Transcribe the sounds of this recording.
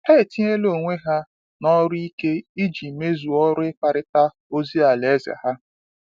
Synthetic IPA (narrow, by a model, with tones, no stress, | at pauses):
e˦e˨ti˦ɲe˦lo˨ŋʷe˦ɦa˦ | nɔ˦ɾi˦ke˦i˦d͡ʒi˨me˦zu˨ɔ˦ɾʊ˦ɪ˦ka˨ɾɪ˦ta˦ | o˦zi˦a˨le˨˦za̰˨ha˦